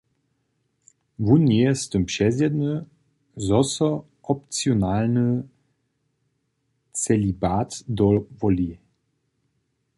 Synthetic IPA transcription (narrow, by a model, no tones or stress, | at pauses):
vunɛst̪əmpʃɛzɛdnə | zɔsɔ | ɔp̚t͡sjonalnə | t͡sɛlibatd̪ɔvɔli